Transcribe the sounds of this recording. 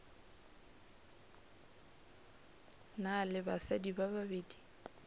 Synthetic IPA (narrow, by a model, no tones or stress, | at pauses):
nalɪbasadibababeːdi